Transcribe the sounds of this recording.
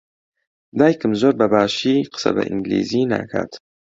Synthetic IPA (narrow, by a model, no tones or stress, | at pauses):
d̪ɑːjkəmzoɾbabaːʃiːqʰə̥sa̰ba̰ʔḭŋɡlḭziːna̰kʰa̰t̪